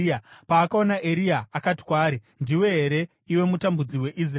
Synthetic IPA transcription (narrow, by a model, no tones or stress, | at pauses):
paːkaonaʔeɾiaːkati̥kwaːɾi | ndiwe̞ɦeɾe̞ | iwe̞mutambud͡ziwe̞ʔis̬r